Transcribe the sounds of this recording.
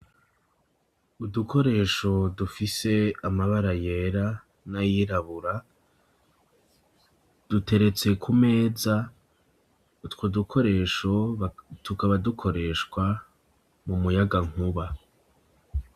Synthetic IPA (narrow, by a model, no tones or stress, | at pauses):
udukʰo̞ɾe̞ːʃo̞dufise̞amaβaɾaje̞ɾa | najiɾaβuɾa | d̥ute̞ɾe̞t͡se̞kʰume̞ːza | twodukʰo̞ɾe̞ʃo̞tukaβadukʰo̞ɾe̞ʃkwa | mumujaɡaŋ̥huβa